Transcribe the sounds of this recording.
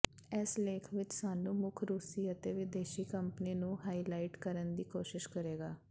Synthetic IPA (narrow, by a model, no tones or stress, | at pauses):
ɛsleːkʰʋɪt͡ʃsaːnũːmʊkʰɾuːsiːət̪eːʋɪd̪eːʃiːkəmpəniːnũːɦaːiːlaːɪʈkəɾənd̪iːkoːʃɪʃkəɾeːɡaː